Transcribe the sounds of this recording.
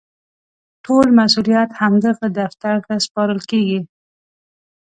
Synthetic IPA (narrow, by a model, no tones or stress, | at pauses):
ʈʰolmasulijat̪hamd̪əɣad̪aft̪aɾt̪aspɑɾəlkeɡi